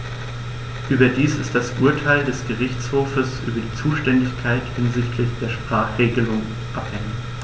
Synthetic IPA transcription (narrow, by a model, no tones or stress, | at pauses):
ʔyːbɐdiːsɪstd̥asʔuːɐtʰaɪldɛsɡ̥əʁɪçt͡shoːfəsʔy̰ːbɐdiːt͡suːʃtɛndɪçkʰaɪthɪnzɪçtʰlɪçd̥eːɐʃpʁ̥aːχʁ̥eːɡəlʊŋ | ʔaphɛŋə